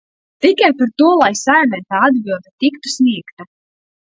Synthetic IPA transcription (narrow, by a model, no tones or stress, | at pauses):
t̪ikajpaɾt̪uɔlˠajsajanɛt̪aːad̪bilˠd̪ɛt̪ikt̪u̥sʲnʲiɛkt̪a